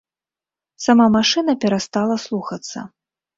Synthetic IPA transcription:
samamaʂɨnɐpʲɛɾast̪alˠɐslˠuxɐt̪sːɐ̰

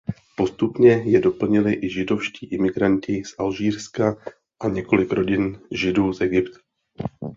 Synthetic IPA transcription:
po̞st̪upɲɛjɛdo̞pl̩ɲɪlɪʔɪʒɪdo̞fʃciːʔɪmɪɡɾancɪsʔalʒiːrska | ʔaɲɛko̞lɪkɾo̞ɟɪnʒɪduːzɛɡɪpt̪ḁ

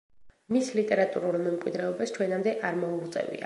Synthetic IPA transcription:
mislit̪ʼɛɾat̪ʼuɾulˠmɛmkʼwid̪ɾɛɔbast͡ʃʰwɛnamd̪ɛʔaɾmɔuut̪sʼɛ̰vḭa̰

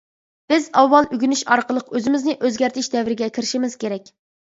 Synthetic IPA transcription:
b̥ɪzɑwːɑlˠʔyɡʲynyʃɑɾqəlˠəqøzɪmɪznɪʔøzɡʲæɾt̪ʰɪʃd̪ɛwɾɪɡʲɛkʲʰiɾɪʃimɪz̥kʲeɾɛk̚ʲ

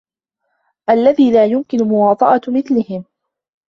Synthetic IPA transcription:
ʔalːaðiːlaːjʊmkɪnʊmʊwɑːt̪ˤɑʔɑmɪθlɪhɪm

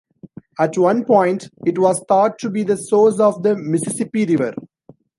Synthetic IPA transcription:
æʈʋʌ̃npɔ̃ɪ̃ɳʈɪʈʋɔːzt̪ʰɔːʈʈːubiːd̪əsoːzɔːʋd̪əmɪsɪsɪpiɾɪʋəɾ

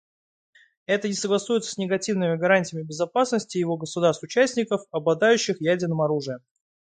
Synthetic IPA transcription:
ɛt̪ənʲɪsəɡlˠɐsujɪt̪sə̥sʲnʲɪɡɐtʲivnɨmʲɪɡɐɾanʲtʲɪjɪmʲɪbʲɪzɐpasnəsʲtʲɪjɪvo̞ɡəsʊd̪arst̪ʊt͡ɕæsʲtʲnʲɪkəfɐblˠɐd̪ajʉɕːɪxjædʲɪrnəmɐɾuʐɨjə

